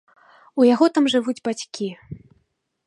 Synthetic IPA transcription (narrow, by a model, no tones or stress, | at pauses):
ujaɣɔt̪amʐɨvud͡zʲbat͡sʲkʲi